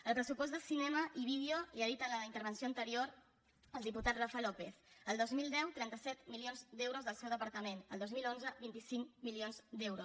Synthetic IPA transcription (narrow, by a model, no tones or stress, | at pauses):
əlˠpɾəsupɔzd̪əsinɛməʔiβið̞joliaðit̪ələint̪əɾβənsioənt̪əɾioɾ | əlˠd̪iput̪at̪rafalɔpeθəlˠd̪ozmilˠd̪ɛwt̪ɾɛnt̪əsɛt̪milionzd̪ɛwɾozðəlˠsɛwðəpəɾt̪əmenəlˠd̪ozmilonzəbint̪isiŋmilionzd̪ɛwɾos